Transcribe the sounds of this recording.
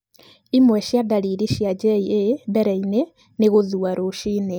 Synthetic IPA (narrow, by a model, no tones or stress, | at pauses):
imwɛʃjadaɾiɾiʃjad͡ʒɛiebɛɾaine | neɣoðuaɾoʃiːne